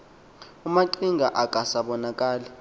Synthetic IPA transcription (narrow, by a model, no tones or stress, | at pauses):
umaǀiŋɡʱaʔakʼasaɓɔnakʼaːli